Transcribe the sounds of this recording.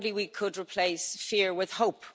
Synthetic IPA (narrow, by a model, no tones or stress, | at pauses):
dliwikʰədɹipʰl̥eɪsfiɹwɪð̥hoʊp